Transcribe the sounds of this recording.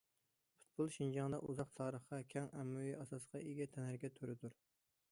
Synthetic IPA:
pʰu̥t̪̚bulˠʃind͡ʒɑŋd̪ɑʔuzɑqt̪ʰɑːɾəχqɑkʲʰɛŋæmːujiʔɑsɑsqɑʔeɡʲɛt̪ʰɛnhæɾɡʲɛt̪ʰøɾɪd̪uɾ

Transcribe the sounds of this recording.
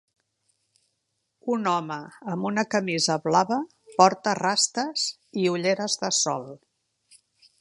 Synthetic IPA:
unɔməːmbunəkəmizəβlaβə | pɔɾt̪ərast̪əz | iuʎeɾəzðəsɔ̰lˠ

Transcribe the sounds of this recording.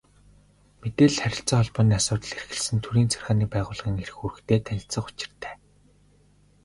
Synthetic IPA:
met̪eːɮχæɾʲɪ̆ɬt͡sɔːχɔɮpɔːniːasʊːt̪ə̆ɮerxɘ̆ɮsɘ̆nt̪ʰuɾiːnt͡sʰærxaːniːpæːʁʊːɮʁĭŋeɾɘ̆xuɾɘ̆xt̪ʰeːt̪ʰænʲɪ̆ɬt͡sə̆χʊ̥t͡ɕɪ̆r̥t̪ʰæ̥ː

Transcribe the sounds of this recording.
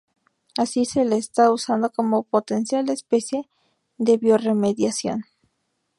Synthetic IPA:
asise̞leːst̪ausand̪o̞ko̞mo̞po̞t̪e̞nsjalespe̞sje̞ | ðe̞βjo̞reme̞ðjasjo̞̰n

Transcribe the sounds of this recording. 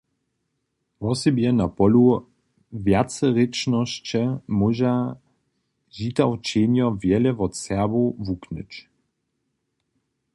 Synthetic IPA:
vɔsɛbjɛnapɔlu | vjatt͡sɛʁet͡ʃnɔɕt͡ɕɛmuʒa | ʑitawt͡ʃeːnjɔvjɛlɛvɔt͡sɛɐbovuknət͡ɕ

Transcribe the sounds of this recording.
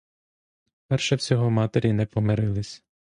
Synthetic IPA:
pɛrʃɛwsʲɔɦɔmɑt̪eɾʲinɛpɔmeɾɪlˠɪsʲ

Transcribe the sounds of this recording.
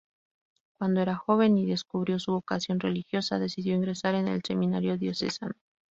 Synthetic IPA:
kwand̪o̞e̞ɾaxo̞βe̞niðe̞skuβɾjo̞suβo̞kasjo̞nre̞̰lixjo̞saðe̞siðjo̞iŋɡɾe̞saɾe̞ne̞̰lse̞mĩnaɾjo̞ðjo̞sesano

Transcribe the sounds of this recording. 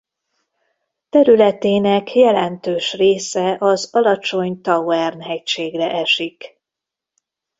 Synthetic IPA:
t̪ɛɾylɛt̪eːnɛkjɛlɛnt̪øːʃreːsɛʔɒzɒlɒt͡ʃo̞ɲt̪ɒwɛrnɦɛcʃeːɡrɛʔɛʃik

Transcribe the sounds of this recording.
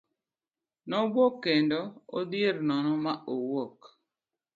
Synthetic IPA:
nɔbwɔkːendɔo̰d̪jeɾnɔnɔmaowɔk

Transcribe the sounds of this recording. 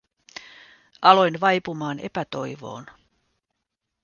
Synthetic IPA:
ɑlo̞jnʋɑjpumɑːne̞̰pæt̪o̞jʋo̞̰ːn

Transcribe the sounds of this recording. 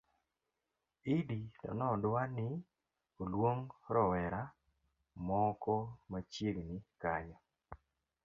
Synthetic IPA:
iditɔ̰nɔdwanɪ | olwoŋɾɔwɛɾa | mɔkɔmat͡ʃjeɡnɪkaɲɔ

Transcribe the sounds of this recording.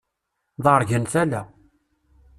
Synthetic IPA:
ðˤəɾˤʝənθælæ

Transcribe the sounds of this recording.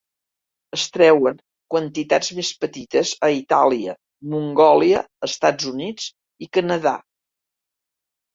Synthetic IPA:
əst̪ɾɛwəŋ | kwənt̪it̪azmespət̪it̪əzəit̪aliə̰ | muŋɡɔliəːst̪ad͡zunid͡z | ikənəða̰

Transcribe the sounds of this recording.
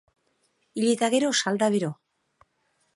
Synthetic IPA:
iʎit̪aɣeɾosald̪aβeɾo

